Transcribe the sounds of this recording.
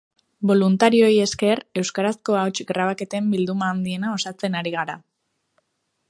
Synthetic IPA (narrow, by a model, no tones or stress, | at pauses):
bo̞lunt̪aɾio̞je̞ske̞ɾe̞wskaɾasko̞aot͡ʃiɡɾaβ̞ake̞t̪embild̪umaːnd̪ie̞nao̞sat͡se̞naɾiɣ̞aɾa